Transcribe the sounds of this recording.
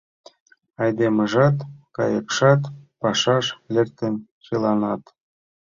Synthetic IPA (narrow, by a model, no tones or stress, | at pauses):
ɑjd̪emɤ̆ʒɑt̪kɑjəkʃɑt̪pɑʃɑʃlʲert̪enʲt͡ɕilˠɑnɑt̪